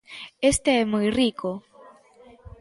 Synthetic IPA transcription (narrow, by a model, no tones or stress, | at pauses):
est̪eɛmojrikʰo